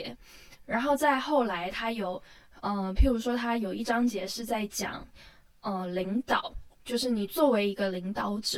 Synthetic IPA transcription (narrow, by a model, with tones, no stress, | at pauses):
ɻa˧˥nxo˥˧ʊt͡sa˥˧ɪxo˥˩ʊla˧˥ɪt̪ʰa˥jo˨˩ʊə˥˧pʰi˧˥ŋɻu˧˥ʂwɔ˥t̪ʰa˥jo˨˩ʊi˥˩ʈ͡ʂɑ˥ŋt͡ɕjɛ˧˥ʂɻ̩˥˧t͡sa˥˩ɪt͡ɕjɑ̰˨˩ŋ | ə˧li˧˥ŋt̪ɑ˨˩˦ʊt͡ɕjo˥˧ʊʂɻ̩˥˩ni˨˩t͡swɔ˥˩we˧˥ɪi˧˥ɡə˧li˧˥ŋt̪ɑ˧˥ʊʈ͡ʂɻ̩˨˩